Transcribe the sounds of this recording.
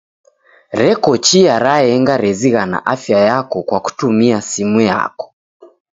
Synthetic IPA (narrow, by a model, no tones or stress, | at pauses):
ɾɛkɔt͡ʃiaɾaɛŋɡaɾɛziɣana̰ʔafjajakɔkwaku̥tumiasimuja̰kɔ̥